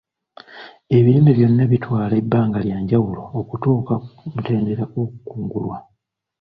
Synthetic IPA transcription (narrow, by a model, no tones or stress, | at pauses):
e̞βilimiβjo̞nːaβitwaːlebːaːŋɡaljaːɲɟawulo̞ːkutoːkamute̞ːndeɾakokukuːŋɡulwa